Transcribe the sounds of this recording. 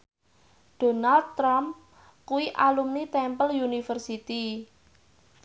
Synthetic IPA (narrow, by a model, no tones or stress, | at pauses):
ɖ̥o̤nald̪̚t̪ːɾam | kuwiʔalumnit̪ɛmpəljunifərsit̪i